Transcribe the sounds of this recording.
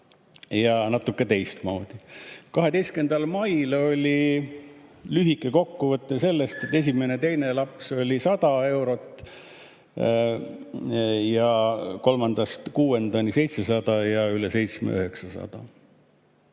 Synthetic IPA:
jɑnɑt̪ːˑukːˑe̞t̪e̞jst̪mɑwd̪̥ikɑɦe̞d̪e̞jst̪ke̞nd̪̥ɑlmɑjlo̞lʲi | lyɦikːˑe̞ko̞kːuvɤt̪ːˑese̞lːe̞st̪e̞t̪ːe̞s̬ʲimene̞t̪e̞jne̞lɑpso̞lʲisɑd̪̥ɑe̞wɾo̞t̪ːˑ | jɑko̞lmɑnd̪̥ɑst̪kuːe̞nd̪ɑnise̞jt̪se̞sɑd̪̥ɑjɑyle̞se̞jt̪smḛøɦe̞ksɑsɑ̰d̪̥ɑ̰

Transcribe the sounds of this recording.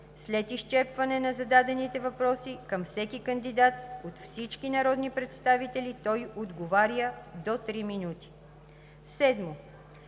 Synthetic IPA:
slɛt̪ist͡ʃɛɾpvɐnɛnɐzɐd̪ad̪ɛnit̪ɛvɐpɾɔsikəmfsɛkikɐnd̪id̪at̪ot̪fsit͡ʃkinɐɾɔd̪nipɾɛt̪st̪avit̪ɛlit̪ɔjod̪ɡovaɾjəd̪ot̪ɾiminut̪i̥ | sɛd̪mo

